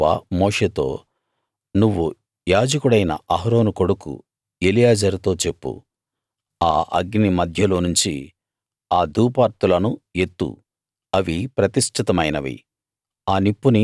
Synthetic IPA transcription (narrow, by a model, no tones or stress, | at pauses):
ɐ̰moːʂeːt̪o̞̰ː | nuʋːu | jaːd͡ʒɐkuɽɐjnɐ̰ɐɦɾo̞ːnuko̞ɽukṵ | elijaːd͡ʒɐɾit̪o̞ːt͡ʃe̞pːṵ | aːʔɐ̰ɡnimɐd̪ʱjɐlo̞ːnuɲt͡ʃi | aːd̪uːpaːɾt̪ulɐnue̞t̪ːṵ | ɐʋipɾɐt̪iʂʈʰit̪ɐmɐjnɐʋḭ | aːnipːuni